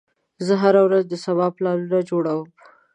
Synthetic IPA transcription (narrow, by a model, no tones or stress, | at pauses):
zəɦaɾawɾazd̪əsabɑplɑɾunad͡ʒoɽawəm